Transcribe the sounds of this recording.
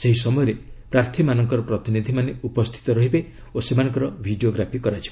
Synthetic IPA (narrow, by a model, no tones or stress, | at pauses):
seɦis̬ɔmɔjɔɾepɾaɾt̪ʰimanɔŋkɔɾɔpɾɔt̪inid̪ʱimaneupɔst̪ʰi̥t̪ɔɾɔɦibe | osemanɔ̃ŋkɔɾɔbʱiɖioɡɾapʰikɔɾat͡ʃʰi̥b